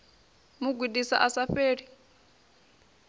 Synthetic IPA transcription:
muɡʱwidisa̰ʔasaɸeːɺi

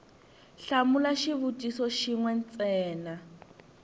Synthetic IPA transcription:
ɬamulaʃiβutʼisɔʃiŋwɛnt͡sʼɛːna

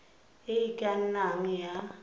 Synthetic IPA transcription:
eikʼan̩naŋ̩ja

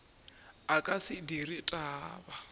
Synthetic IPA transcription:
akʼasidiritʼaːba

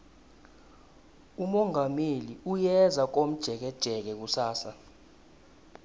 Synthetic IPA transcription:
umɔŋɡʱameliujɛzak̬om̩d̥ʒ̥ʱɛk̬ɛd̥ʒ̥ʱɛk̬ɛk̬usaːsa

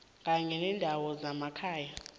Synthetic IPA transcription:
ŋɡʱaŋɛnɛndʱawɔzamakʰaːja

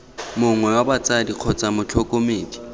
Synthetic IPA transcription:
mʊŋwɛwabat͡sʼadiq͡χʰɔt͡sʼamʊt͡ɬʰɔkʼomeːdi̥

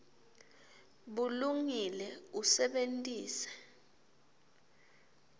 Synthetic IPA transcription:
ɓuluŋilɛusɛɓentʼiːsɛ̥

